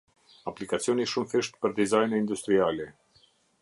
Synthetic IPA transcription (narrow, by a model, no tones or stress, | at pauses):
aplikat͡sijɔniʃumfiʃt̪pəɾd̪izajnɛind̪ust̪ɾialɛ